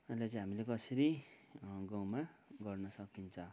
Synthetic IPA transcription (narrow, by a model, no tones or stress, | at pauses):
ʌjlat͡sʌĩɦamilekʌseɾi | ɡawmaɡʌrnʌsʌkint͡sʰʌ